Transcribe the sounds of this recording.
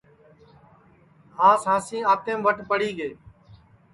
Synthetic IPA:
ɦãːsãːsĩːaːt̪ẽːmʋəʈpəɽiːɠeː

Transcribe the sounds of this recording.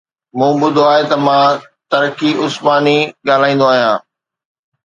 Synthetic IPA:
mũːbʊd̪ʱoaːɦet̪ɐmãː | t̪ɐɾkiʔʊsmaːniɠaːl̤aːĩːnd̪oaːɦijãː

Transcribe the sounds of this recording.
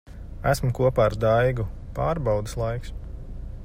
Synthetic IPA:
æsmukuɔpaːɾd̪ajɡu | paːɾbawd̪ɨslˠajks

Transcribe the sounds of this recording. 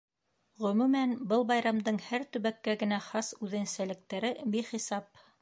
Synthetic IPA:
ʁɵ̆mʉmænbɤlˠbɑjɾɑmd̪ɤɴhæɾt̪ɵ̆βækːæɡɘ̆næχɑsʉðɘ̆nsælɘ̆k̚t̪æɾɘbiχisɑp̚

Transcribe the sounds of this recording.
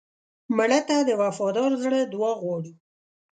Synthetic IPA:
maɽat̪ad̪əwafɑd̪ɑɾzɽəd̪waɣwɑɽi

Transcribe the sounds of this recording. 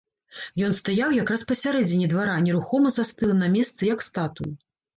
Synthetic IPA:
jɔnst̪ajawjakɾaspɐsʲaɾɛd͡zʲɪnʲid̪vaɾanʲɛɾuxɔmɐzast̪ɨlˠnɐmʲɛst̪sɨjɐkst̪at̪uju

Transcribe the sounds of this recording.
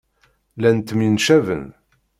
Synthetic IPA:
lænt̪ːminʃævə̰n

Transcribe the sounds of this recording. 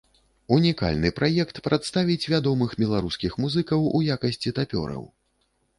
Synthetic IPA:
unʲika̰lʲnɨpɾajɛkt̪pɾʔat̪st̪avʲit͡sʲvʲad̪ɔmɨxbʲɛlˠaɾuskʲixmuzɨkɐwujakɐsʲt͡sʲit̪apʲɔ̰ɾɐ̰w

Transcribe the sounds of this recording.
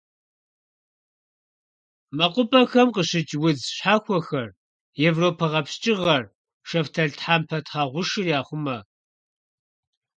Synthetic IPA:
mɐqʷʼʊpʼɐxɐmqəɕɪt͡ʃʼwʊd͡zɕħaːxʷɔxɐr | jevroːpʰɐʁɐpst͡ʃʼɪʁɐr | ʃɐftʰɐɮtħaːmpʰɐtʰχaːʁʷʊʂɨrjaːχʷʊmɐ

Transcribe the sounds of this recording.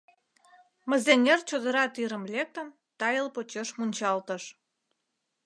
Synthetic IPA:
mə̆zenʲert͡ɕod̪əɾɑt̪iɾə̆mlʲek̚t̪ə̆n | t̪ɑjəlpot͡ɕeʃmunʲt͡ɕɑlt̪ə̆ʃ

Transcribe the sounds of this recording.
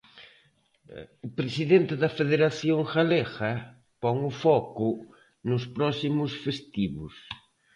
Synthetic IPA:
ʊpɾesiðent̪ɪðɐfeðeɾaθjoŋxalexɐ | pɔŋʊfɔkʊ | nʊspɾɔsimʊsfest̪iβʊ̰s

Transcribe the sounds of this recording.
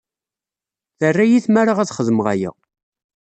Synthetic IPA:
θərːæjiθmaɾaʁæθχəðəmʁæjə̰ʁ

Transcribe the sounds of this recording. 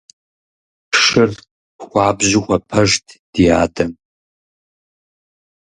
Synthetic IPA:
pʂɨr | xʷɑːbʑɪxʷɐpʰɐʒtʰd̥ijaːdɐm

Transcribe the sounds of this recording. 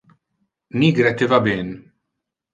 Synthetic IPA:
niːɡɾɛt̪ːɪvɐbɪːn

